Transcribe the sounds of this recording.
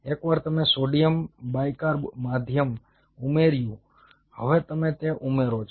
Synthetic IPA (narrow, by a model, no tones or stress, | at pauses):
ekʋaɾt̪əmesoɖijəmbajkaɾmad̪ʱjəm | umeɾjũ | həʋet̪əmet̪eʔumeɾot͡ʃʰ